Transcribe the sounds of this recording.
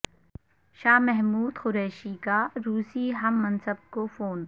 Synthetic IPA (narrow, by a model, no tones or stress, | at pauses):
ʃaːmɛɦmuːd̪xʊɾɛːʃikaɾuːsiɦɐmːɐ̃nsəb̚kofoːn